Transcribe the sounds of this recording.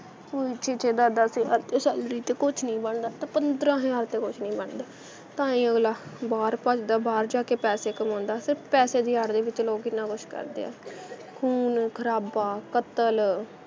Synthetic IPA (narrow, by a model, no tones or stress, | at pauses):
oːit͡ʃʰet͡ʃʰeːd̪aːd̪əːsea̰ɾt̪eːsɛːlɾiːt̪eːkʊt͡ʃʰnĩːbəɳd̪aːt̪ãːpənd̪ɾãːɦẽaːɾt̪eːkʊt͡ʃʰnĩːbəɳd̪aː | t̪ãːĩːəɡlaːbaːɾpət͡ʃd̪aːbaːɾd͡ʒaːkeːpɛːseːkəmãːnd̪aːsɪɾpʰpɛːseːd̪iːaɽd̪eːʋɪt͡ʃloːɡɪnãːkʊʃʰkə̰ɾd̪ḛːɛ̰ːkʰuːnkʰəɾaːbaːkət̪əl